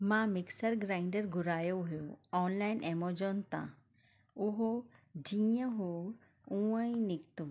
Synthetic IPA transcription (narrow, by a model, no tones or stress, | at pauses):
mãːmɪksəɾɡɾaːɪɳɖəɾɡʊɾaːjoɦjoɔːnlaːɪnemod͡ʒont̪ã̰ː | uɦod͡ʒĩə̃ɦo | ũãĩnɪkt̪u